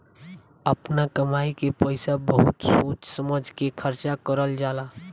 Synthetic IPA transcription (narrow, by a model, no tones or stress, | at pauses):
əpnakəmaikepəɪsabəɦut̪sot͡ʃsəməd͡ʒʱkekʰəɾt͡ʃakəɾəld͡ʒala